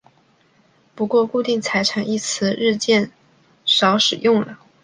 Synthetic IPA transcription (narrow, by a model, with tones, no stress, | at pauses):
pu˧˥kwɔ˥˧ku˥˧t̪i˥˩ŋt͡sʰa˧˥ɪʈ͡ʂʰa˨˩ŋi˥˩t͡sʰɹ̩˧˥ɻɻ̩˥˧t͡ɕjɛ˥˩n | ʂɑ˧˥ʊʂɻ̩˨˩jʊ˥˩ŋlə˩